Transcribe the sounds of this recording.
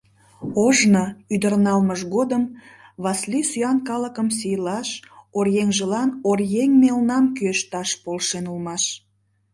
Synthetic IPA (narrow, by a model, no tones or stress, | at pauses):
oʒnoyd̪ərnɑlməʃɣod̪əmβɑslisyɑnkɑləkəmsijlɑʃorjeŋʒəlɑnorjeŋmelnɑmkyeʃt̪ɑʃpolʃenulmɑʃ